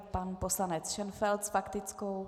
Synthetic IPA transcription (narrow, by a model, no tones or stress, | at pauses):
panposlanɛt͡sʃɛnfɛlt̪sfakt̪ɪt͡skow